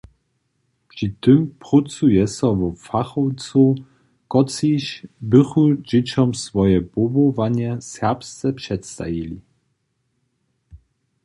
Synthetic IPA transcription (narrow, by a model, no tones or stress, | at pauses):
pʂit̪ɘmpʁut͡sujɛsɔvɔfaχɔwt͡so | kɔt͡siɕbɘxud͡ʑet͡ɕɔmsvɔjɛbɔbɔvaɲɛsɛʁpst̪sɛpʂɛt̪st̪a̰jilʲi